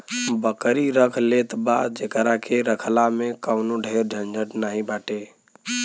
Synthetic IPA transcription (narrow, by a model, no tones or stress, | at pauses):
bəkɾiɾəkʰlet̪bad̪̚d͡ʒekɾakeɾəkʰlamekəʊnoɖʱeɾd͡ʒʱənd͡ʒəʈnaɦĩbaʈe